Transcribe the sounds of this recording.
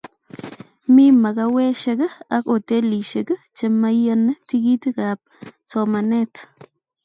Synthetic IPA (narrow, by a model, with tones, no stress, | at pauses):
mi˦ma˨ɡawe˦ʃe˦ɡə˦a˦ko˨t̪e˦liʃeɡə˦t͡ʃema˦janə˦t̪iɡit̪iɡap̚t͡somane˦t̪